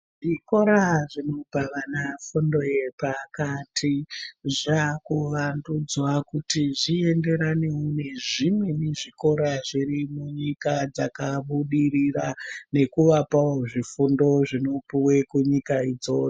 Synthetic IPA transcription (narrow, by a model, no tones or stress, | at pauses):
ʐiko̞ɾaʐino̞paʋanafundo̞je̞pakatʰiʐakuʋandud͡zwakutiʐie̞nde̞ɾaneuneʐimweneʐiko̞ɾaʐirimuɲikad͡zakaɓuɗirirane̞kuʋapaoʐifundo̞ʐino̞puwe̞kuɲikaid͡zo̞t͡s